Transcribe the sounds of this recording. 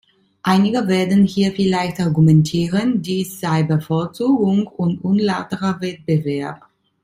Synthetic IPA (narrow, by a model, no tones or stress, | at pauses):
ʔaɪnɪɡəveːɐdn̩hiːɐfɪlaɪçtaɐɡumɛntʰiːʁəndiːsz̥aɪbəfoːɐt͡suːɡʊŋʊntʔʊnlaʊtəʁɐvɛt̚b̥əvɛɐp̚